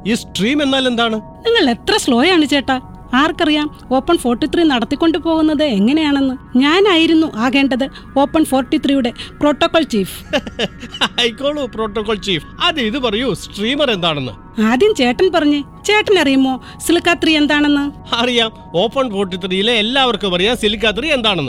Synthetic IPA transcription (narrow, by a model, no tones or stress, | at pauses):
iːsʈriːme̞nːaːle̞nd̪aːɳɨ | niŋːɐɭe̞t̪rɐsɭo̞ːjɐaːɳɨt͡ɕe̞ːʈːɐ | aːrkɐrijaːm | o̞ːpːɐɳfo̞ːrʈːit̪rinɐɽɐt̪ːikʲːo̞ɳɖɨpo̞ːɣunːɐðɨeŋːɐne̞jaːɳenːɨɲaːnaːjiɾunːuʔaːɣe̞ːɳɖɐðɨ | o̞ːpːɐɳfo̞ːrʈːit̪rijuɽe̞pro̞ːʈːokːoɭt͡ɕiːf | ɐjkːoːɭupro̞ːʈːokːoːɭt͡ɕiːfɐðɨiðɨpɐrɐjusʈriːmɐre̞nd̪aːɳenːɨ̰ | ɐðint͡ɕe̞ːʈːɐnpɐrɐɲːɨ | t͡ɕe̞ːʈːɐnɐrijumːo̞ː | silɨkːaːt̪rie̞nd̪aːɳenːɨ | ɐrijaːm | o̞ːpːɐɳfo̞ːrʈːit̪rijileːlːaːʋɐrkɨpɐrɐjaːmsilik̬ːaːt̪̬rie̞nd̪aːɳenːɨ